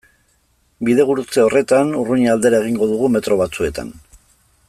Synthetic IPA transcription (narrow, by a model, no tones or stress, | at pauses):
biðe̞ɣ̞uɾut͡seo̞re̞t̪anuruɲeald̪e̞ɾae̞ɣ̞iŋɡo̞ðuɣume̞t̪ɾo̞β̞at͡sue̞t̪a̰n